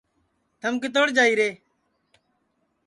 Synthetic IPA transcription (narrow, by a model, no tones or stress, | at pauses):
t̪ʰəmkɪt̪̬oːɽd͡ʒaːiːɾeː